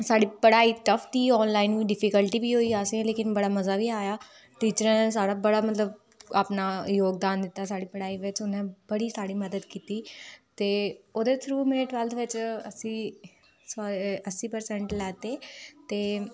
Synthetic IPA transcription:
saːɽiːpəɽaːiːʈəfʰt̪iːɔːnlaːɪnʋiːɖɪfʰikəlʈiːbiːɦoːiːaːsẽleːkɪnbəɽaːməzaːʋiːaːjaː | ʈiːt͡ʃəɾãːs̬aːɽaːbəɽaːmət̪ləb | aːpnaːjoːɡd̪aːnd̪ɪt̪ːaːsaːɽiːpəɽaːiːʋɪt͡ʃʊnɛ̃ːbəɽiːsaːɽiːməd̪əd̪kiːt̪iːt̪eːoːd̪eːt̪ʰɾuːmɛːʈʋɛlt̪ʰʋɪt͡ʃəsĩː | saəsiːpəɾsɛ̃ɳʈlɛːt̪eːt̪eː

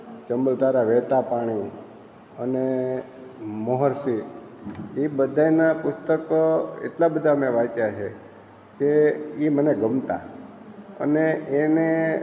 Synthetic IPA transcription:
t͡ʃəmbəlt̪aɾaʋet̪apaɽ̃i | əne | məɦəɾsi | ibəd̪ʱanapʊst̪əkḛʈlabəd̪ʱamẽʋajt͡ʃat͡ʃʰe | keiməneɡəmt̪a̰ | ə̰neene

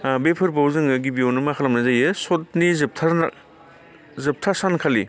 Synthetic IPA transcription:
bepʰɯɾpawzɯŋɯɡibionɯmakʰalɐmnɐzajɯsot̚nizɯp̚tʰa | zɯp̚tʰasankʰali

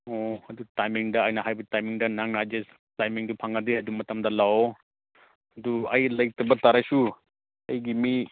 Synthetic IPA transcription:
ɔhɐdutajmiŋdɐːjnɐɦajbitajmiŋdɐnaŋnad͡ʒes | tajmiŋdupʰaŋadiɐdumːɐtɐmdɐlawo | hɐduɐjlɐj̚tɐbɐtaɾasu | ɐjɡimi

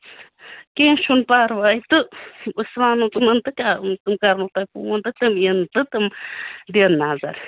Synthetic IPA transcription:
kẽːʃunpaːɾʋajit̪ɨɨsʋaːnut̪ɨmɐnt̪ɨkʲat̪ɨmkɐɾnuːt̪ajpuːɐnt̪ɨk̚t̪ɨmint̪ɨt̪ɨmd̪eːnːaːzɐ̰ɾ

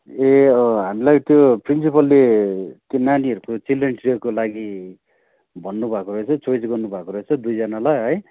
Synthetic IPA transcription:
eʌɦamilajt̪joprins̬ipʌlːet̪jonaniʌɾukot͡silenʈriʌrkolaɡi | bʱʌnːubʱakoɾʌɦet͡sʰʌt͡soisɡʌrnubʱakoɾʌɦet͡sʰʌd̪ujd͡zʌnalajɦʌj

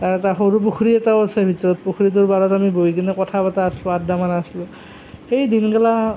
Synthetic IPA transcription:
taɹɛtaxoɹup̬uxʰuɹiɛtaʊasɛbʱitɔɹɔt̚poxʰuɹit̬uɹbaɹɔtamibojkinɛkɔtʰabataːslʊadamanaslʊ̃ | xejdinkala

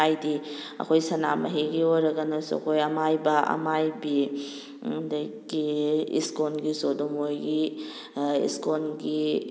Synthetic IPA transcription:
ajdi | ɐ̰kʰojsɐna̰mɐɦiɡiojɾɐɡɐnɐsuɐ̰kʰojɐmajbɐʔɐ̰majbi | dɐjɡiḭskonɡizodomojɡi | ḭskonɡi

